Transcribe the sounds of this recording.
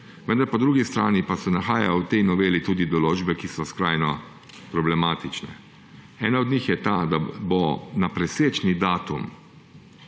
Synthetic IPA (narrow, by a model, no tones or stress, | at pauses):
ʋənd̪aɾpɔd̪ɾuːɡist̪ɾaːnipasɛnaxaːjawt̪ɛjnɔʋeːlit̪uːd̪id̪ɔloːd͡ʒbɛkisɔskɾajnɔ | pɾɔblɛmaːt̪it͡ʃnɛ̰ | ɛːnaɔd̪nixjɛt̪ad̪abonapɾɛseːt͡ʃnid̪aːt̪um